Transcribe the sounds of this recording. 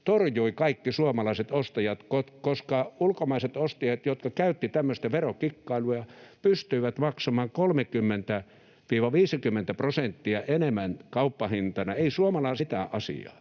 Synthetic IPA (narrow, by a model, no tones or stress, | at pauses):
t̪orjuikɑikːisuomɑlɑiset̪ost̪ɑjɑt̪kot̪koskɑulkomɑiset̪ost̪ɑjɑt̪jot̪kɑkæyt̪ːit̪æmːøst̪æʋerokikːɑiluɑjɑpyst̪yiʋæt̪mɑksɑmɑːŋkolmekymːent̪æ | ʋiːʋɑʋiːsikymːent̪æprosent̪ːiɑʔenemːænkɑupːɑhint̪ɑnɑeisuomɑlɑiset̪æ̰ʔɑsḭɑ̰ː